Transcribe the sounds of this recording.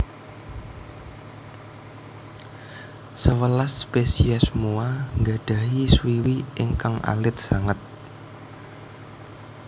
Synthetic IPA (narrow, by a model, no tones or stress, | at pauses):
səwəlaspesiasəmuaŋɡa̤ɖ̥a̤ɦiswiwiʔɪŋkaŋa̰lɪt̪̚saŋat̪̚